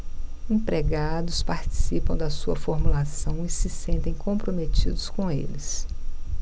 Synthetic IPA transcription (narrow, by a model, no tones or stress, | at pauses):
ĩpɾeɡad̪ʊspaɾt͡ʃi̥sipɐ̃w̃d̪ɐsuɐfoɾmulasɐ̃w̃ɪsɪsẽnt̪ẽj̃kõpɾomet͡ʃid̪ʊskõḛlɪs